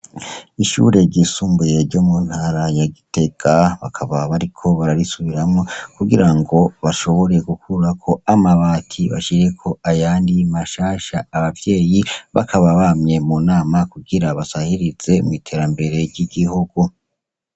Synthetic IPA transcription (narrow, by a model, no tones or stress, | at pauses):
iʃṵɾe̞ɾɟisuːmbuje̞ɾɟomun̥haɾajaɡite̞ɡ̥aβa̰kʰaβaβaɾikʰo̞βaɾaɾisuβiɾamŋo̞kuɡiɾaŋɡo̞βaʃo̞βo̞ɾe̞ɡukʰuɾakʰo̞amaβaːtʰiβa̰ʃiɾe̞kʰo̞ajaːndimaʃaːʃaːβavje̞ːjiβa̰kʰaβaβamɲe̞munaːmakuɡiɾaβasahiɾiz̥e̞mŋitʰe̞ːɾambe̞ɾe̞ɾɟiɡihuɡ̥u